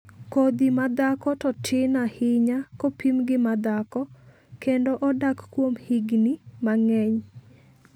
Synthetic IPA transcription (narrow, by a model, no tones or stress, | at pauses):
kod̪imad̪akɔtɔtʰɪnahɪɲakopʰimɡɪmad̪akɔ | kendoʔɔdakkwomhiɡnimaŋɛɲ